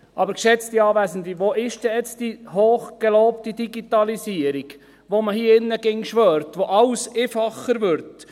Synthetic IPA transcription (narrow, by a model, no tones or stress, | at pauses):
ʔɑbəɾkʃɛt͡stiɑːʋæːsən̩t̪liʋoʔɪʃd̥ɛɛt͡sd̥ihoːχɡ̥eloːptidiɡitɑlisiəɾiɡ | ʋoməhiːɪnːəɡ̥ɪŋʃʋœːrtʋoʔɑlsefɑχəɾʋʏɾt